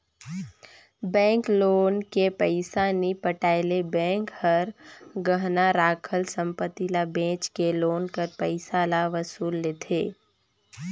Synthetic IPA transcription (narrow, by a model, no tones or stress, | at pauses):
bɛ̃ːŋkloːnkepəɪsanipəʈaːɪlebɛ̃ːŋkhəɾɡəɦnaɾaːkʰəlsə̃mpət̪ilabẽːt͡ʃkeloːnkəɾpəɪsalaʋəsuːlːeːt̪ʰeː